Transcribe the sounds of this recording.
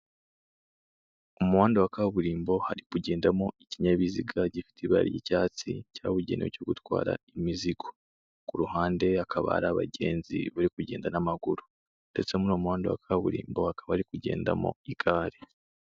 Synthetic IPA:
umuwaːndewakaβuɾiːmbo̞haɾikuɟe̞ːndamoiciɲaβiziɡaɟifi̥tiβa̰ɾijḭcaːt͡sḭcaːβuɟeːniwocoɡutwa̰ːɾa̰imiziɡ̥o̥ | kuɾuɦaːnde̞akʰaβa̰a̰ɾaβa̰ɟe̞ːnzḭβaɾikuɟe̞ːndanamaɡuɾu | nde̞t͡semuno̞ːmuwaːndewa̰kʰaβuɾḭːmbo̞hakaβahaɾikuɟe̞ːnda̰mo̞̰iɡaːɾe

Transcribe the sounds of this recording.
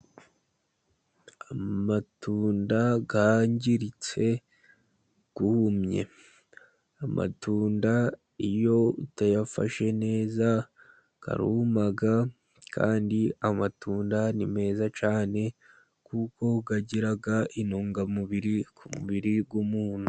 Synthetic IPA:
amatuːndaɡaɲɟiɾit͡se̞ | ɡ̥uhumɲe̞̰ | amʔa̰tuːnda | ijo̞utajafa̰ʃe̞ne̞ːza | ka̰ɾumaɡa | kʰa̰ːndiamatuːndanime̞ːzat͡ʃaːne̞ | kuko̞ɡaɟiɾaɡaʔinoːŋɡamuβiɾikʰumuβiɾiɡwumuːn̥hu

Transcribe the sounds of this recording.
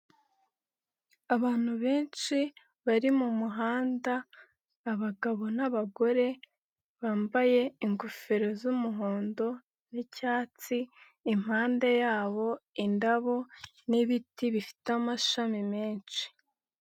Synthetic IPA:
aβaːn̥huβe̞ːnt͡ʃi | βaɾimumuɦaːndaː | βaɡaβo̞naβaɡo̞ɾe̞ | βaːmbaje̞iŋɡofeɾo̞zumuɦoːndo̞ | nicaːt͡siː | m̥haːnde̞jaːβo̞indaβo | niβitiβifi̥tamaʃamimeːnt͡ʃi̥

